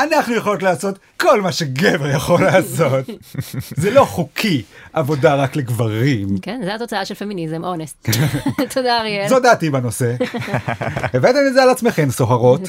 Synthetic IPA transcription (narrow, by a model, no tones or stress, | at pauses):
anaχnujeχolo̞tlaːso̞t̪ | ko̞lmaʃe̞ɡeveʁjaχo̞laːso̞t̪zelo̞χukʰiʔavo̞daʁakleɡvaʁimkenzeat̪ot͡saaʃelfe̞minizemʔo̞nesttʰod̪aʁizod̪atibano̞se̞ | evatanizealat͡smeχe̞mso̞χaʁo̞t̪